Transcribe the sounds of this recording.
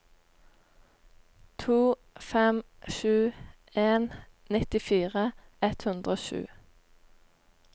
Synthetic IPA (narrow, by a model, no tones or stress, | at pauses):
t̪ʰuː | fɛmʃʉː | eːn | nɪt̪ɪfiːʁəɛt̪hʉnd̪ʁəoːʃʉ̰ː